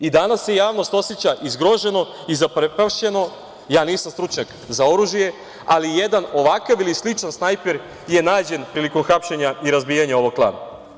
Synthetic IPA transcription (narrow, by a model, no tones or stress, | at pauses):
id̪anasːejaːʋno̞st̪oset͡ɕaʔizɡɾo̞ʒe̞no̞ | izapɾepaʃe̞no̞ | jaːniːsamst̪ɾut͡ʃɲak | zao̞ɾuʒije̞ | alijed̪ano̞ʋakaʋilislit͡ʂansnajpeɾ | je̞naːd͡ʑe̞npɾiːliko̞mxapʃeɲaiɾazbijaɲao̞ʋoɡ̚plˠa̰ːna̰